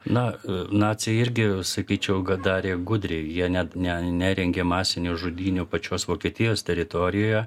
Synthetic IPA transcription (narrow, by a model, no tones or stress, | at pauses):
nɐnɑːt͡sʲɛɪɪɾʲɡʲɪsɐkʲiːt͡ʃʲɛʊɡɐd̪ɑːɾʲeːɡʊd̪ʲɾʲeɪjiɛnʲɛnʲɛnʲæɾʲɛŋʲɡʲeːmɑːsʲɪnʲuʒʊd̪ʲiːnʲuːpɐt͡ʃʲoːsʋoːkʲiɛt̪ʲɪjoːst̪ʲɛɾʲɪt̪oːɾʲɪjoːjɛ